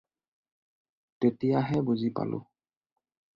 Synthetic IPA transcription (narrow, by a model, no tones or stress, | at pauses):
tetijaɦɛbuzipa̰lʊ̰